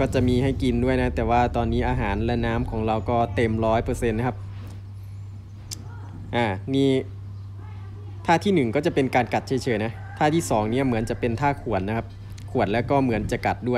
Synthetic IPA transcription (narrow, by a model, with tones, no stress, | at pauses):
kɔː˥˩t͡ɕa˨˩ʔmiː˧ɦa˥˩jki˧ndu˥˩əjna˦˥t̪ɛː˨˩waː˥˩t̪ɔː˧nːiː˦˥ʔaː˧ɦaː˩˦nlɛ˦˥naː˦˥mkʰɔː˩˦ŋɾa˧wkɔː˥˩t̪e˧mɾɔː˦˥jpɤː˧se˧nːa˦˥kʰa˦˥p̚ | ʔaː˨˩niː˥˩ | t̪ʰaː˥˩t̪ʰiː˥˩nɯ˨˩ŋkɔː˥˩t͡ɕa˨˩pe˧nkaː˧nka˨˩t̪̚t͡ɕʰa˧˩jt͡ɕʰɤː˨˧˦jna˦˥ | t̪ʰaː˥˩t̪ʰiː˥˩sɔː˩˦ŋni˥˩ɐmɯ˩˦nt͡ɕa˨˩pe˧nt̪ʰaː˥˩kʰu˨˩ən̚na˦˥kʰa˦˥p̚ | kʰu˨˩ət̪̚lɛː˦˥wkɔː˥˩mɯ˩˦ənt͡ɕa˧˩ka˨˩t̪̚du˥˩əj